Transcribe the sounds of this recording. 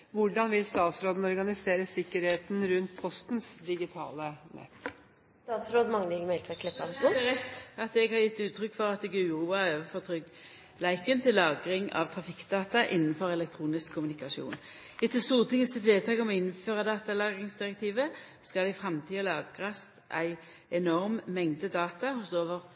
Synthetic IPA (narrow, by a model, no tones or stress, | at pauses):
ʋʊɖɑnʋɪlst̪ɑːt̪sɾoːd̪n̩ɔɾɡɑnɪseːɾəsɪkːəɾheːt̪n̩ɾʉnt̪pʰɔst̪nsd̪ɪɡɪt̪ʰɑ̰ːlənʔɛ̰t̪ː | st̪ɑːt̪sɾoːd̪mɑŋlɪɡmɛɪlt̪ɛkʰlɛpɑnsɔd̪ɛæʁɛt̪ːɑt̪ɛɡhɑʁjɪt̪ːʉːt̪ʰʁʏkːfɔʁɑt̪ɛɡʉːʁuːɑøːʋəfɔʁt̪ʰʁʏɡ | læɪkənt̪ʰɪlːɑːɡʁɪŋɑ̰ʋt̪ʰʁɑfɪkːd̪ɑːt̪ɑʔɪnːn̩fɔʁɛlɛkt̪ʰʁuːnɪskʰːʊmʉnɪkɑʃṵːn | ɪt̪ʰːəst̪uːʁt̪ʰɪŋːəsɪt̪ʋeːd̪t̪ʰɑːɡɔmɔɪnføːʁɑd̪ɑːt̪ɑlɑːɡʁɪŋsd̪ɪʁɛk̚t̪ʰiːʋə | skɑlɛɪfʁɑmt̪ʰiːəlɑːɡʁɑsʔæɪ | ɛnɔʁmmɛŋd̪əd̪ɑːt̪ɑhʊsoːʋəʁ